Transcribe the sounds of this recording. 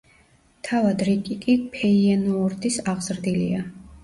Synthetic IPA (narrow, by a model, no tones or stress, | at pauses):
t̪ʰavad̪ɾikʼikʼipʰɛiɛnɔːɾd̪ʰʼisaʁz̥ɾd̪ilḭa